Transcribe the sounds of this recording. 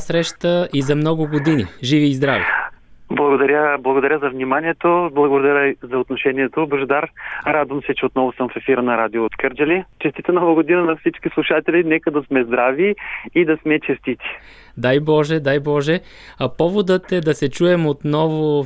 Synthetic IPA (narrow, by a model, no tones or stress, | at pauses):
sɾɛʃt̪əʔizɐmnɔɡʊɡod̪iniʒiviːzd̪ɾaviblˠɐɡod̪ɐɾʲəblˠɐɡod̪ɐɾʲəzɐvnimaniɛt̪oblˠɐɡod̪ɐɾʲəzɐot̪noʃɛniɛt̪obəʒɛd̪aɾɾad̪vɐmsɛt͡ʃɛot̪nɔvʊsəmfɛfiɾnɐɾad̪ioːt̪kəɾd͡ʒəlit͡ʃɛst̪it̪ənɔvəɡod̪inənɐfsit͡ʃkislˠuʃat̪ɛlinɛkəd̪ɐsmɛzd̪ɾaviːd̪ɐsmɛt͡ʃɛst̪it̪ʲi̥ | d̪ajbɔʒɛd̪ajbɔʒɛ | pɔvod̪ət̪ɛd̪ɐsɛt͡ʃuɛmot̪nɔvo